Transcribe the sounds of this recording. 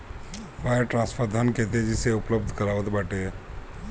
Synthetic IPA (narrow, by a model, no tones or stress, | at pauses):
ʋaəʈɾãnspʰəɾd̪ʱənket̪̬ed͡ʒiseupləb̚d̪ʱkəɾaʋət̪baʈe